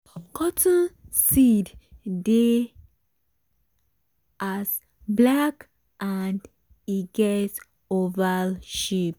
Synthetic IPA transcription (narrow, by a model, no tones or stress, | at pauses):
kʰɔtʰə̃nsidde | as | blak | ʔand | iɡɛt | ovaʃip̚